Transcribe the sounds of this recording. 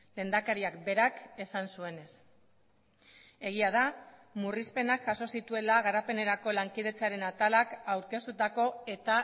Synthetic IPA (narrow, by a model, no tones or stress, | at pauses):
le̞ːnd̪akaɾiakbe̞ɾake̞sansue̞ne̞s | e̞ɣ̞iaðamurispe̞nakʝaso̞sit̪ue̞laɣ̞aɾape̞ne̞ɾako̞laŋkið̞e̞t͡saɾe̞nat̪alakawɾke̞st̪ut̪ako̞e̞t̪a